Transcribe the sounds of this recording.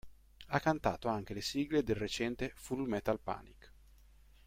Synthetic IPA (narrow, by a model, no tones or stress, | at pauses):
akːant̪a̰ːt̪oaŋk̟elesiɡled̪elret͡ʃɛnt̪efulmɛt̪alpa̰ːnik